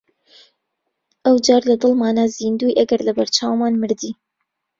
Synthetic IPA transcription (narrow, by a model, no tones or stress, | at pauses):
ʔəwd͡ʒɑːɾlɐd̪ɨlˠmɑːnazind̪uːjʔɐɡɐɾlɐbɐɾt͡ʃɑːwmɑːnmɨɾd̪i